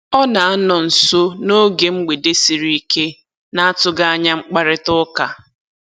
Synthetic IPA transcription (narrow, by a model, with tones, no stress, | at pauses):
ɔ˦na˨a˦nɔ˨n̩˨so˦no˦ɡe˨ŋ͡m̩˦ɡ͡be˨de˦si˨ɾi˦i˦ke˦ | na˦a˦tʊ˦ɡa˦a˦ɲa˦ŋ͡m̩˦k͡pa˦ɾɪ˦tʊ˦ka˨